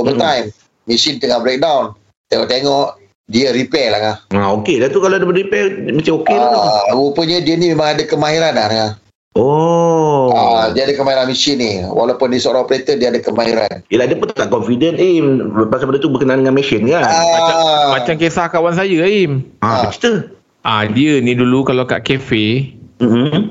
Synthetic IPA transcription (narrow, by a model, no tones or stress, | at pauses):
obət̪ajm | mːisint̪əŋahbɾek̚dawn | t̪eŋɔʔt̪eŋɔʔ | diəɾipɛlaahaokedat̪ukalodəbəɾipɛmat͡ʃaokeaupəɲədiənimemãŋadəkəmaɦiɾanatəŋah | ɔ | adiəadakəmaɦiɾanmisɪniwa̰lapʊndisoɾapəɾet̪ədiəadəkəmaɦiɾa̰njəlahdiəpʊnt̪t̪aʔkɔnfidənipasapəndət̪ubəkənaʔandəŋanmɛsənkaaamat͡ʃamkesahkawans̬ajəimãt͡ʃi̥t̪ə | ʔadiənidulukalaka̰ʔkefem̩m̩